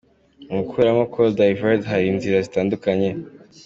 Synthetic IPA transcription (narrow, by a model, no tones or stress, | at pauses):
umukueɾamakʰodajvadɦaɾiːnziɾazitaːndukaɲe̞